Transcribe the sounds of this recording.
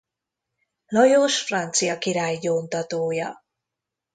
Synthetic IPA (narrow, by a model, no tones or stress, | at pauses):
lɒjoʃfrɒnt̪sijɒkiɾaːjːoːnt̪ɒt̪oːjɒ